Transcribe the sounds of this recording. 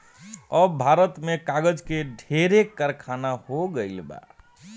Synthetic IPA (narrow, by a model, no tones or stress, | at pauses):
əbʱaɾət̪mekaɡəd͡ʒkeɖʱeɾekːəɾkʰanahoɡəɪlba̰